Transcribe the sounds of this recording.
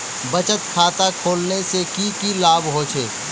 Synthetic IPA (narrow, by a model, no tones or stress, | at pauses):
bɐt͡ʃət̪̚kʰaːt̪akʰoːlnesekikilaːbɦoːt͡ʃʰeː